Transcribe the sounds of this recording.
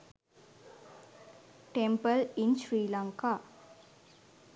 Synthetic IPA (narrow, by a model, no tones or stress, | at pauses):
ʈempəlinsɾiːlaŋkaː